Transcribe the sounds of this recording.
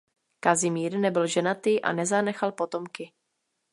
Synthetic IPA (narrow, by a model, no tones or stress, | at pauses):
kazɪmiːɾnɛbɪlʒɛnat̪ɪʔa̰nɛzanɛxalpo̞t̪o̞mkɪ